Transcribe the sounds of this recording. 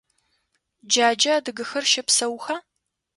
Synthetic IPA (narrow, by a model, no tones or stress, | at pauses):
d͡ʒaːd͡ʒɐadɨɡɨxɐrʃɐpsɐwxaː